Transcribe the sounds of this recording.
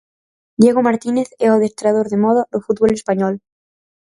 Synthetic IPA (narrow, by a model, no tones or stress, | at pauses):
d̪jeɣomaɾt̪ineθɛoðest̪ɾaðoɾðemɔðaðʊfut̪̚βolespaɲɔl